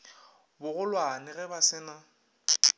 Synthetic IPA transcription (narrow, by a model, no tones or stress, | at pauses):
bʊɣʊlwanɪɣɛbasɪːna